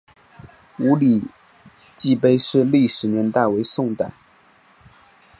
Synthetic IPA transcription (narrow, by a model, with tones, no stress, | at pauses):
u˧˥li˨˩ | t͡ɕi˥˧pe˥˧ɪʂɻ̩˥˧li˥˩ʂɻ̩˨˩njɛ˧˥nt̪a˥˩ɪwe˧˥ɪsʊ˥˧ŋt̪a˥˩˦